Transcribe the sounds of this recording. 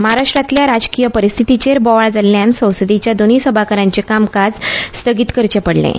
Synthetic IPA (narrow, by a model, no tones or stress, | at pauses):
məɦaɾaʂʈɾat̪ljaɾad͡zkijəpəɾist̪ʰit̪it͡ɕeɾbɔʋaɭd͡zalːjãnsə̃wsd̪it͡ɕjad̪oniːsəbʱakəɾãɲt͡ɕekamkad͡zst̪ʰəɡit̪kəɾt͡ɕəpəɽlḛ̃